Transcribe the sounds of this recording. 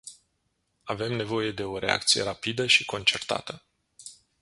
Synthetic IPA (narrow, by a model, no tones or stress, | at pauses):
ave̞mne̞vo̞je̞d̪e̞o̞ɾʔe̞̰a̰k̚t̪sije̞ɾapid̪əʃiko̞nt͡ʃe̞rt̪a̰t̪ə